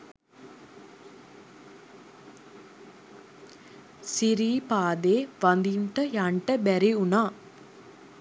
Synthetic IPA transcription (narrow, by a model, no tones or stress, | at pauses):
siɾiːpaːd̪eːʋɐnd̪iɳʈɐjaɳʈɐbɛɾiunaː